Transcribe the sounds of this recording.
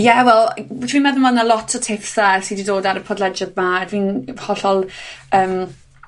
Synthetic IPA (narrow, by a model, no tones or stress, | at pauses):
jɛwɛlˠtʰwiːnmɛðənvanalˠɔtʰɔtʰɪfsasididoːdaɾəpʰɔdlɛd͡ʒaðmaɛdviːnhɔɬɔlˠəːm